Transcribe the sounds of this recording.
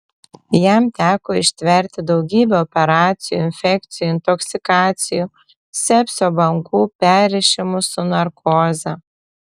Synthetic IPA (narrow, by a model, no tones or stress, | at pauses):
jæmt̪ʲæːkoːɪʃʲt̪ʲʋʲɛɾʲt̪ʲɪd̪ɒʊɡʲiːbʲɛɔpʲɛɾɑːt̪sʲɪjuɪnʲfʲɛkt̪sʲɪjuːɪnt̪ɔksʲɪkɑːt̪sʲɪjuː | sʲɛpʲsʲoːbɐŋkuːpʲæːɾʲɪʃʲɪmʊsʊnɐɾkʰoːzʲɐ